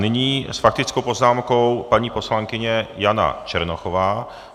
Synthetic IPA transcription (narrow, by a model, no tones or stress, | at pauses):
nɪɲiːsfak̚t̪ɪt͡skowpo̞znaːmko̞wpaɲiːpo̞slaŋkɪɲɛjana̰t͡ʃɛɾnoxovaː